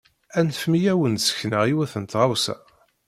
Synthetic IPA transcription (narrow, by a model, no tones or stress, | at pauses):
ænfmijæwənsə̥çnəʁiwæθənt̪ʁawsæ̰